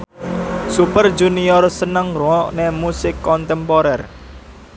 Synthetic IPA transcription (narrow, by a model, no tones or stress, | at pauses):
supərd͡ʒuniɔrsənəŋruɔʔnemusɪkːɔnt̪ɛmpɔɾɛr